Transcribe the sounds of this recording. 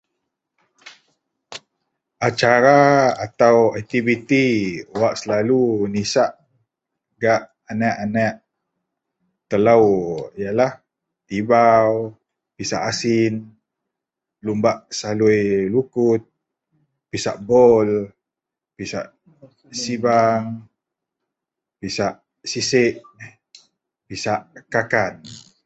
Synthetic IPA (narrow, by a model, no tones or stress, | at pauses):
ʔat͡ʃaɾaat̪awɛk̚t̪ibit̪iwaʔsəlalunisaʔ | ɡaʔ | anaʔanaʔ | t̪əlawjalah | t̪ibaw | pisa̰ʔasin | lumbaʔsalujlukʊt̪̚ | pisa̰ʔbɔl | pisa̰ʔ | sibaŋ | pisaʔ | sisɪʔ | pisaʔkakan